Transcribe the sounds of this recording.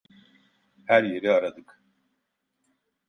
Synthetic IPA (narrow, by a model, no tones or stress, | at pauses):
hæɾje̞ɾiaɾad̪ɯk